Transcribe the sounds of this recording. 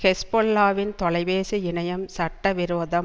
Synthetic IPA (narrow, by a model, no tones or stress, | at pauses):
kɛspɔlːaːʋɪnt̪ɔɭɐɪʋeːsɯɪɳɐjɐmsɐʈːɐʋɪɾoːðɐm